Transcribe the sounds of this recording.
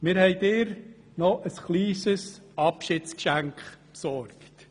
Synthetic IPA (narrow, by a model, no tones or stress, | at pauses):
mɪːɾhɛɪdɪːɾ | nɔʔəsχliːsəsɑpʃɪtt͡skʃæŋkχpsɔɾkt